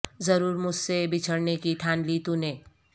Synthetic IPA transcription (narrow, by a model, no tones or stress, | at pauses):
zɐɾuːɾmʊd͡ʒʱsebɪt͡ʃʰəɽnekit̪ʰaːnlit̪uneː